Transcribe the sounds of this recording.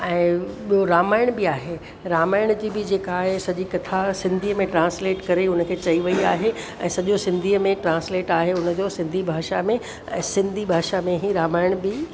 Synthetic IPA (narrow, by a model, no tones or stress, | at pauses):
ɛ̃ːɓijoɾaːmaːɪɽ̃bɪaːɦe | ɾaːmaːɪɽ̃d͡ʑiːbɪd͡ʑeːkaːɦesɐʄikɐt̪ʰasɪ̃nd̪ʱiːmẽʈɾãːnsleːʈkɐɾeʊnəkʰeːt͡ɕɐiʋɐiaːɦe | ɛ̃ːsɐʄosɪ̃nd̪ʱiːəmẽʈɾãːnsleːʈaːɦeʊnə̆d͡ʑoːsɪ̃nd̪ʱibʱaːʃamẽ | ɛ̃ːsɪ̃nd̪ʱibʱaːʃamẽɦiɾaːmaːɪɽ̃bɪ